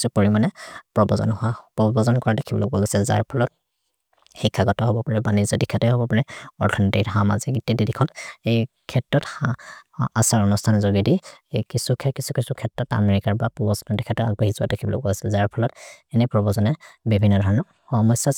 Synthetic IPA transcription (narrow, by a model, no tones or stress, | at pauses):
supoɹimanɛpɹɔbɔzɔ̰napɹɔbɔzɔnkɔɹadekʰibɔ̰lokbɔɡɔsɛza̰ɹpʰɔlɔt̚ | xikʰːaɡɔtɔɦɔbɔpaɹɛbanizɔdikʰːatɔjɦɔbɔpaɹɛɔɹtʰɔnɔtikɦama̰ziɡitididikʰɔnejkʰɛtɹɔtaasaɹɔnustʰanzoɡidiekisukʰɛkisukisukʰɛtɹɔta̰meɹikaɹbapubɔsnɔdikʰatɔa̰ɡbaɦizuwa̰dekʰibɔlo̰kbɔ̰ɡasɛzaɹpʰɔlɔtɛnɛpɹɔbɔzɔnɛbibʱinːɔdʱɔɹɔnɔ | xɔmɔsjɔ